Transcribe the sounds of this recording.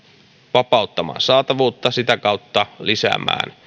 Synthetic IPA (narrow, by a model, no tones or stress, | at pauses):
ʋɑpɑut̪ːɑmɑ̰ːnsɑːt̪ɑʋuːt̪ːɑsit̪ækɑut̪ːɑlisæ̰ːmæ̰ːn